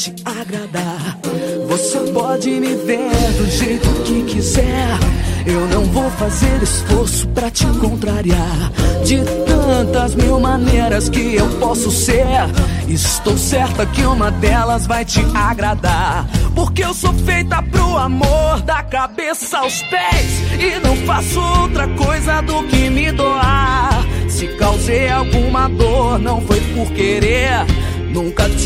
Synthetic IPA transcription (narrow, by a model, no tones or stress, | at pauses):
t͡ʃɪaɡɾad̪a | vosepɔd͡ʒɪmɪveɾd̪ʊʒejt̪ʊkɪkizɛɾewnɐ̃w̃vowfazeɾɪsfoɾsʊ̥pɾɐt͡ʃɪkõnt̪ɾaɾia | d͡ʒɪt̪ɐ̃t̪ɐzmiwmɐnejɾɐskɪewpɔsʊseɾɪst̪owsɛɾt̪ɐkɪũmɐd̪ɛlɐzvajt͡ʃɪaɡɾad̪aɾpoɾkeewsowfejt̪ɐpɾʊamoɾd̪ɐkabesɐawspɛjsɪnɐ̃w̃fasʊowt̪ɾɐkojzɐd̪ʊkɪmɪd̪oaɾsɪkawzejawɡũmɐd̪oɾnɐ̃w̃fojpʊɾkeɾeɾ | nũkɐ